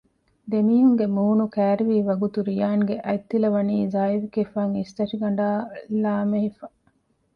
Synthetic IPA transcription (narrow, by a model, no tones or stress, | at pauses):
d̪emiːɦuŋɡemuːnukæːɾiʋiːʋɐɡut̪uɾijaːŋɡeʔɐjt̪ːilɐʋɐniːzaːiʋikefaːŋist̪ɐʃiɡɐɳ̆ɖaːlaːmeɦifɐ